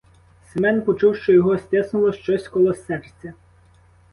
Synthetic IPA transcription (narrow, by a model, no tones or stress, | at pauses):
semɛnpɔt͡ʃuwʃt͡ʃɔjɔɦɔsʲt̪ʲɪsnʊlˠɔʃt͡ʃɔsʲkɔlˠɔsːɛrt͡sʲɐ